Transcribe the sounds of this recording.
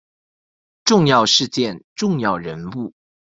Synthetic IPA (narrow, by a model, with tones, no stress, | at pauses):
ʈ͡ʂʊ˥˧ŋjɑ˥˧ʊʂɻ̩˥˧t͡ɕjɛ˥˨nʈ͡ʂʊ˥˧ŋjɑ˥˩ʊɻə˧˦˥npu˥˩